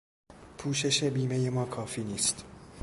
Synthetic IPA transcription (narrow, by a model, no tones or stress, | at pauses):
pʰuːʃe̞ʃe̞biːme̞je̞mɒːkʰɒːfiːniːst̪